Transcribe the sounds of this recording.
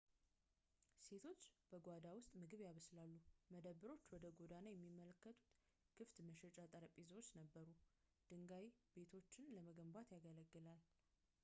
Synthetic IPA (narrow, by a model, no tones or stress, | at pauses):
se̞t̪ʰo̞t͡ʃːb̥əɡʷad̪awʊst̪ʼmɨɡɨβjaβəslalːuməd̪əβːɨɾo̞t͡ʃːwɔd̪əɡo̞d̪anajɛmːimːələkːət̪ʰʼu̥t̪ | ɡ̥ʰɨft̪məʃɛt͡ʃʼat̪ʼəɾəpʼizəwot͡ʃːnəbːəɾud̪̥ɨŋɡajibe̞t̪ʰo̞t͡ʃːɪnləməɡəmbat̪jaɡələɡːɨlal